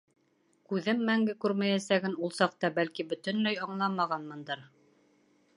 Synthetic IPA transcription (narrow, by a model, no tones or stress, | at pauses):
kʉðɘmːæŋɡɘkʉɾmæjæsæɡɘnulˠsɑq̚t̪ɑbælkibɵ̆t̪ɘ̆nlæjɑɴlˠɑmɑʁɑnmɤ̆nd̪ɤɾ